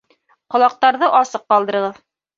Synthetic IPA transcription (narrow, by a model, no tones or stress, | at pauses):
qŏlˠɑq̚t̪ɑɾðɤʔɑsɤqːɑlˠd̪ɤ̆ɾɤ̆ʁɤð